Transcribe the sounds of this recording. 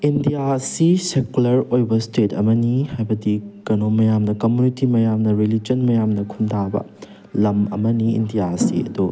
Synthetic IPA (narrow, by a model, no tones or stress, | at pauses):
indijasisekulɐɾojbɐstetɐ̰mɐnihajbɐdikɐnomɐjamnɐkɐmjunitimɐjamnɐɾilid͡ʒɐnmɐjamnɐkʰundʱabɐ̰ | lɐmɐ̰mɐniḭndijasḭɐ̰d̪u